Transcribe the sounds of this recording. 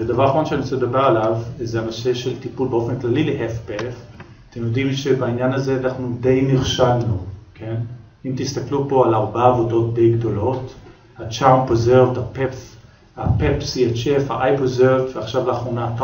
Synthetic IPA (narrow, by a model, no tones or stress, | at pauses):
ed̪avaʁaχaʁo̞nʃeanit͡sseled̪abe̞ʁalavzeanose̞ʃe̞lt̪ipulbeo̞fe̞nklalilehefpef | t̪emjodimʃe̞bainjanazeanaχnud̪e̞jniχʃalnukʰe̞n | imt̪ist̪aklupo̞alaʁbaːvo̞do̞t̪̚de̞jɡd̪o̞lo̞t | hat͡ʃawnpezeʁvt̪hapef | hapepsiet͡ʃefhaʔajpozeʁvtveaχʃavlaːχʁonat̪